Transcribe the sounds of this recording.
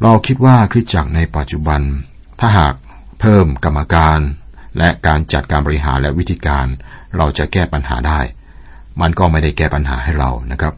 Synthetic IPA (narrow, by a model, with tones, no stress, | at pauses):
ɾa˧wkʰi˦˥t̪̚waː˥˩kʰɾi˦˥t̪̚t͡ɕa˨˩k̚na˧jpa˨˩t̪̚t͡ɕu˨˩ba˧n | t̪ʰaː˥˩ɦaː˨˩k̚ | pʰɤː˥˩mka˧mːa˧kaː˧nlɛ˦˥ʔkaː˧nt͡ɕa˨˩t̪̚kaː˧nbɔ˧ɾi˦˥ɦa̰ː˩˦nlɛ˦˥ʔwi˦˥t̪ʰiː˧kaː˧n | ɾa˧wt͡ɕa˨˩kɛː˥˩pa˧nɦa̰ː˩˦daː˥˩j | ma˧nkɔː˥˩ma˥˩jda˥˩jkɛː˥˩pa˧nɦa̰ː˩˦ɦa˥˩jɾa̰˧wna˦˥kʰɾa˦˥p̚